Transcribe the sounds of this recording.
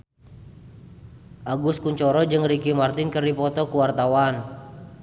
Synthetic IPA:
ʔaɡʊskuɲt͡ʃɔɾɔd͡ʒɨŋɾikimart̪ɪnkəripɔt̪ɔkuwart̪awan

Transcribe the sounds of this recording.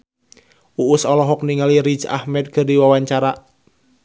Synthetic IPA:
ʔuʔːsɔlɔɦɔk̚niŋaliɾit͡ʃa̰hmɛt̪̚kərdiwawaɲt͡ʃaɾa

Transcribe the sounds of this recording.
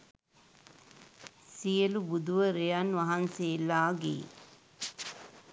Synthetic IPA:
sijəlubud̪uʋəɾejanʋaɦanseːlaːɡḛː

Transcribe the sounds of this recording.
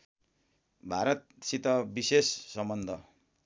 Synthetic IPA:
bʱaɾʌt̪̚ | sit̪ʌbisesːʌmbʌnd̪ʱʌ

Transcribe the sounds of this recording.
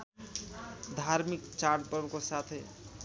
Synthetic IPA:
d̪ʱaɾmikt͡ʃaɾʈpəɾbkosat̪ʰ

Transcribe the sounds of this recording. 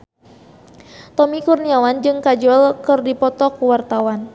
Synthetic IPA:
t̪ɔmikurniawand͡ʒɨŋkad͡ʒɔlkɨrdipɔt̪ɔkuwart̪awan

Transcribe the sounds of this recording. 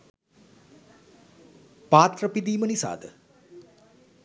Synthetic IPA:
paːt̪rəpid̪iːmənisa̰ːd̪ə

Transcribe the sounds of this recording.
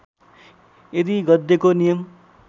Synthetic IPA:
ed̪iɡʌd̪ːekonijʌm

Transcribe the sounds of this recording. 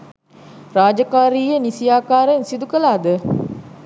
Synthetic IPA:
raːd͡ʒəkaːɾiːjənisijaːkaːɾəensid̪ukəlaːd̪ə

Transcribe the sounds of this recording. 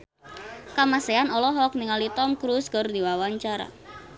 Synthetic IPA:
kamaseanɔlɔɦɔk̚niŋalit̪ɔmkɾuskərd̪iwawaɲt͡ʃaɾa̰

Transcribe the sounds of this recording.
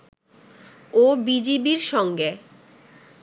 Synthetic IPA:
obid͡ʑibiɾʃɔŋɡe

